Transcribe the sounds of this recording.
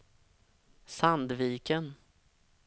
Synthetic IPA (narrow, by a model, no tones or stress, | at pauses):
sand̪viːkən